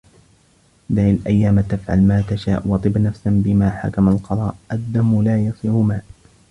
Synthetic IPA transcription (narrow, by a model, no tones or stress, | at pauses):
d̪aʕalʔajːaːmt̪afʕa̰lmaːt̪aʃa̰ːʔwɑt̪ˤɨbnafsanbɪmaːħa̰kamalqɑðˤɑːʔʔad̪ːamːlaːjɑsˤiːɾʊmaːʔ